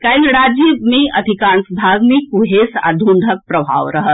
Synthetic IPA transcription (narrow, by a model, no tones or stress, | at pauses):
kaiɡɽad͡ʒimiəd̪ʱikaɳsbʱaɡmikuɦesa̰d̪ʱuɳɖ̪ʱək̚pɾɐbʱa̰ʋɾɐɦət̪